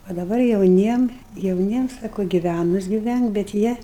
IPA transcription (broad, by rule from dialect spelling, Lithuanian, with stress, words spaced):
oː dɐˈbɐr jɛʊˈnʲiɛm jɛʊˈnʲiɛm ˈsɑːkoː ɡʲɪˈʋʲænʊs ɡʲɪˈʋʲæŋk bʲɛt ˈjiɛ